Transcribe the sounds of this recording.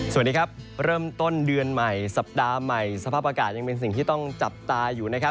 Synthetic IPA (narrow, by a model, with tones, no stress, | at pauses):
su˨˩ndiː˧˥kʰa˦˥p̚ɾɤː˥˩mt̪o˥˩ndɯ˧ənma˨˩jsa˨˩p̚daː˧ma˨˩jsa˧pʰaː˥˩p̚ʔaː˧kaː˨˩t̪̚ja˧ŋpe˧ns̬i˨˩ŋt̪ʰiː˥˩t̪ɔ˥˩ŋt͡ɕa˨˩p̚t̪aː˧juː˨˩na˦˥kʰp̚